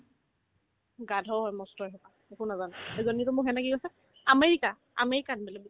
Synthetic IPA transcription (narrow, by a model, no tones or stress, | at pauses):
ɡadʱɔɦɔjmɔstɔjɦɛpa | ekunazanɛezɔnitɔmʊɦɛnaɡiasɛ | ameɹika | a̰meɹikanbɛlɛbi